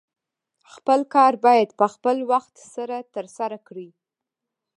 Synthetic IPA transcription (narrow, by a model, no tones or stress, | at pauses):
xpəlkɑɾbɑjad̪pəxpəlwaxt̪saɾat̪əɾsaɾakɽi